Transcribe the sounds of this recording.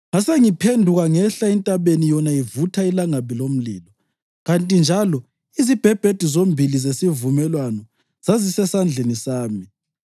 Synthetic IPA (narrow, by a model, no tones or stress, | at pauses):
ŋaseŋipʰendʱuɣaŋɛɬaɛntʼaβenijɔnajivutʰailaŋaβilom̩lḭːlɔ | ɣantʼind͡ʒʱalɔ | izib̥ʱɛb̥ʱed̥ʱizombʱilizesivumɛlwanɔ | z̥azisɛsand͡ɮʱenisaːmi